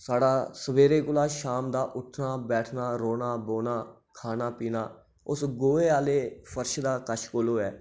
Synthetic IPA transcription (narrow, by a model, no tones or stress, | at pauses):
saːɽaːsəbeːɾeːkʊlaːʃaːmd̪aːʔʊʈʰnaːbɛːʈʰnaːɾoːnaːboːnaː | kʰaːnaːpiːnaː | ʊsɡoːeːaːleːpʰəɾʃd̪aːkəʃkoːloːɛː